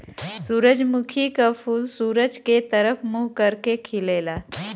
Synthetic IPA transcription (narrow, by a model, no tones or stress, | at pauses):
suːɾəd͡ʒmukʰikapʰuːlsuːɾəd͡ʒket̪əɾəpʰmuɦkəɾkekʰilela